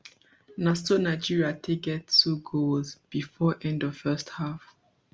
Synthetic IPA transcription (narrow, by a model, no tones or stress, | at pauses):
nastonaɪd͡ʒiɹiatʰekɛdtuɡolzb̥ifɔʔɛ̃ndɔv̥fɜsthaf